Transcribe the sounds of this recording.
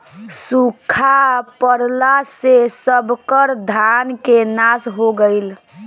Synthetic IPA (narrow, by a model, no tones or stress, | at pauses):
sukʰapəɾlasesəbʱkəɾd̪ʱankenasɦoɡəɪl